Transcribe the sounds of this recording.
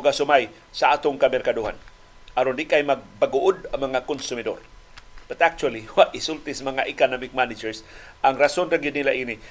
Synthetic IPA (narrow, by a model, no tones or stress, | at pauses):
ʊɡasʊmaj | saat̪ʊŋkamɛrkaduɦa̰n | ʔaɾond̪ikajmaɡ̚baɡuʔʊd̪aŋmaŋakʊnsʊmɪd̪o̰r | b̥at̪ak̚t͡ʃualiwaʔɪsʊlt̪ɪsmaŋaʔɪkanamɪk̚manɪd͡ʒɛɾs | aŋɾasonɾaɡɪd̪nilaʔini